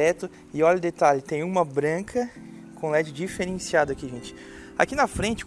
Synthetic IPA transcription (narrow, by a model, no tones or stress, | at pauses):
ɛt̪ʊ | ɪɔʎɐʊd̪et̪aʎʊt̪ẽj̃ũmɐbɾɐ̃kʰɐ | kʰõlɛd͡ʒɪd͡ʒifeɾẽsiad̪ʊakiʒẽnt͡ʃɪ̥ | a̰kinɐfɾẽnt͡ʃɪ̥k